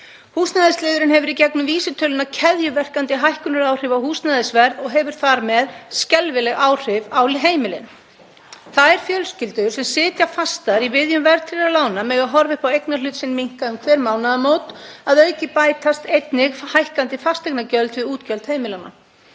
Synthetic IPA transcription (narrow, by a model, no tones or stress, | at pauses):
huːsnaðɪslɪːðʏɾɪnɦɛvʏɾicɛknʏmviːsɪt̪ʰœːlʏnacʰɛðjʏvɛr̥kant̪ɪɦajhkʏnʏɾaːwr̥ɪvawhuːsnaðɪsvɛɾðɔɣɦɛvʏɾ̥θaɾmɛðscɛlvɪlɛɣaːwr̥ɪvawlɪɦeːjmɪlɪ̰n | θaðɛɾ̥fjœlscɪlt̪ʏɾ̥sɛmsɪːt̪jafast̪aɾivɪðjʏmvɛɾðt̪ʰɾɪlalaːwnamɛːɣaɦɔɾvɪhpawejknalʏːt̪sɪnmiŋ̥kaʏmkʰvɛːɾmaːwnaðamoːwt̪aðœɥcɪpaːjt̪ast̪ejt̪nɪɣhajhkant̪ɪfast̪ɛknacœlt̪vɪðuːt̪cœlt̪heːjmɪlawna̰